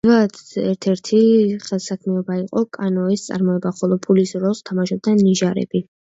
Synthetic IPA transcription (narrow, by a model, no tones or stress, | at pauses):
vad̪ɛɾt̪ʰɛɾt̪ʰiχɛlˠsakʰmiɔbaiqʼɔkʼanɔɛst̪sʼa̰ɾmɔɛbaχɔlˠɔpʰulisɾɔst̪ʰamaʃɔb̚d̪aniʒaɾɛ̰bi